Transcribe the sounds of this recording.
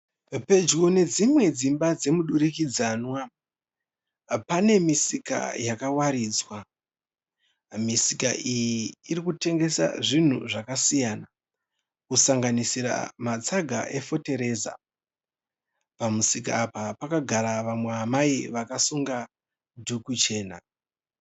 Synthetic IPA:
pe̞d͡ʒɡone̞d͡zimwe̞d͡zimbad͡ze̞muɗuɾikid͡zaːnwa | pane̞misika̰jakawaɾiːd͡zwa | misikaʔijiːɾikute̞ŋɡe̞sa̰ʐin̤uʐakasijaːna | kusaŋɡanisiɾa̰mat͡saɡʱa̰ʔe̞fo̞te̞ɾe̞ːza̰ | pamusika̰ːpapakaɡʱaɾaʋamweɦamaiʋakasuŋɡa | dʱukut͡ʃe̞ːna̰

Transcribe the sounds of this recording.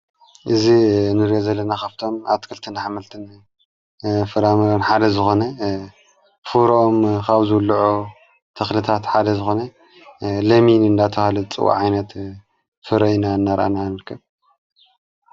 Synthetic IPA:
ʔɨzinɨɾjozɐlːɐnaxaβt̪ʰo̞ma̰βt̪kʰɨlt̪ʰɨnħamɐlt̪ʰɨn | fɨɾamɐɾonħad̪ɐzɨxo̞nɐ | fuɾʔomkaβzɨwlːʕo | t̪ʰɐxlɨt̪ʰat̪ħad̪ɐzɨxo̞nɐ | lɐminɨnd̪at̪ʰɐhalɨt͡sʼɨ̰wa̰ʕajnɐt̪ | fɨɾɐjnaɨnːaɾʔa̰nanɨɾkʰːɐβ

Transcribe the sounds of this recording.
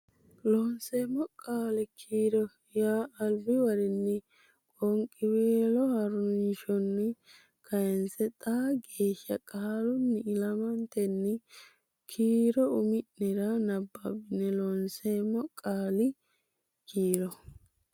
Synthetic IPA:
lɔnseːmːɔkʼaːlɪkʰiːɾɔ | jaːɐlbɪwɐɾɪnːɪ | kʼɔŋkʼːɪweːlɔhɐɾʊnnʃɔnːɪ | kʰɐjɛnsɛt̪ʼaːɡeːʃːɐkʼaːɾʊnːɪɪlɐmɐnt̪ɛnːɪ | kʰiːɾɔʊmɪʔnɛɾɐnɐbːɐbɪnːɛlɔnseːmːɔkʼaːlɪ | kiːɾɔ

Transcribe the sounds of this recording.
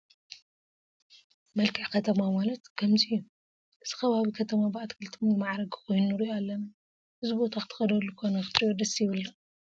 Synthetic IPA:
mɐlkʰɨʕkʰɐt̪ʰɐmamalɐt̪kʰɐmziju | ʔɨz̥ɨ̥xɐβaβikʰɐt̪ʰɐmabʔat̪kʰɨlt̪ʰomɨmaʕɾɐɡɨkʰo̞jnunɨɾioalːɐna | hɨzɨbo̞t̪ʰaxɨt̪ʰɨ̥xɐd̪ɐlːukʰo̞nɐkɨt̪ʼɨɾijod̪ɐsjiβɨlːɐ

